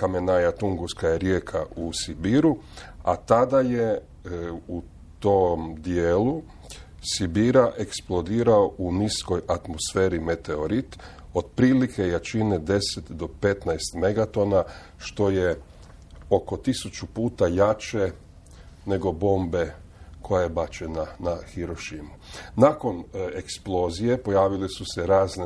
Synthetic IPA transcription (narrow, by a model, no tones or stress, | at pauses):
kamenajat̪uŋɡuskajeɾjeːkʰaʔusibiɾu | a̰t̪ad̪aje | u | t̪omd̪jeːlu | sibiɾaʔe̞ksplˠo̞d̪iːɾaoʔunisko̞jat̪mosfeːɾime̞t̪eo̞ɾit̪ | o̞d̪̥̚pɾilikʰe̞jat͡ʃined̪e̞set̪d̪o̞pe̞t̪najst̪me̞ɡat̪o̞na | ʃt̪o̞je̞ | o̞ko̞t̪isut͡ʃupuːt̪ajat͡ʃe̞ | ne̞ɡo̞bo̞ːmbe̞ | ko̞jajebat͡ʃe̞nanaxiɾo̞ʃimunako̞neksplˠo̞zije̞po̞jaːʋilisuseɾaːzne